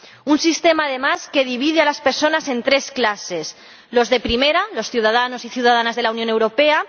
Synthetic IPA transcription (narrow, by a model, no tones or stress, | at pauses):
unsist̪e̞maːð̞e̞maske̞ð̞iβ̞iðealaspeɾso̞nase̞nt̪ɾe̞sklase̞s | lo̞zðe̞pɾime̞ɾalo̞sθjuwð̞að̞ano̞siθjuð̞aðanazð̞e̞launjone̞wɾo̞pea